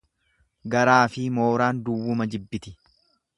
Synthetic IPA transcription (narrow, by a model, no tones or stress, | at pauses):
ɡɐɾaːfɪmo̞ːɾaːnd̪ʊwːʊmɐd͡ʒɪbːɪt̪ɪ